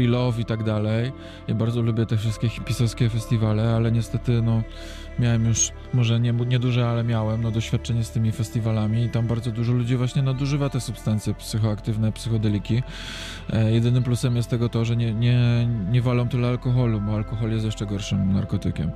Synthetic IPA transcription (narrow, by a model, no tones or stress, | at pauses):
ilɔfit̪aɡd̪alɛj | jabaɾd̪ɔlubʲjɛt̪ɛfʂɨst̪̚kʲɛpʲisɔskʲɛfɛst̪ʲivalɛalɛɲɛst̪ɛt̪ɘnɔ | mʲjawɛmjuʂ | mɔʐɛɲɛɲɛd̪uʐɛalɛmʲjawɛmnɔd̪ɔɕfʲjat̪̚t͡ʂɛɲɛst̪ɘmʲifɛsʲt̪ʲivalamʲiːt̪ambaɾdzɔd̪uʐɔlud͡ʑivwaɕɲɛnad̪uʐɘvat̪ɛsupst̪ant̪sʲjɛpsɘxɔakt̪ɘvnɛpsɘxɔd̪ɛlʲikʲi | jɛd̪ɘnɘmplusɛmjɛst̪t̪ɛɡɔt̪ɔʐɛɲɛɲɛɲɛvalɔ̃w̃t̪ɨlɛalkɔxɔlubɔalkɔxɔljɛst̪jɛʂt͡ʂɛɡɔɾʂɘmna̰ɾkɔt̪ɘkʲɛ̰m